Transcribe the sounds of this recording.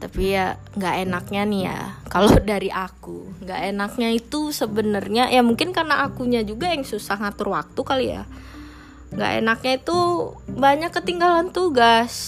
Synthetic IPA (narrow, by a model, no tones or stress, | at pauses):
t̪apija | ŋɡaʔenak̚ɲanija̰kalodaɾiʔakuŋɡaʔenak̚ɲait̪usəbənərɲajamuŋkɪnkarnaʔːkuɲad͡ʒuɡajaŋsusahŋat̪urwa̰k̚t̪ukalija̰ | ŋɡa̰ʔḛnak̚ɲait̪ubaɲakːət̪iŋɡalant̪uɡas